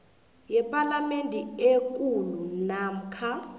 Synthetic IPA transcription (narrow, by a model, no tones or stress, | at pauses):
jɛpʼalamentʼɛek̬ʼulunam̩kʰa